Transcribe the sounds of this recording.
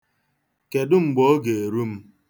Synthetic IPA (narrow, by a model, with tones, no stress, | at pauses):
ke˨dʊ˦ŋ͡m̩˨ɡ͡bɔ˦ɡe˨e˨ɾu˦m̩˦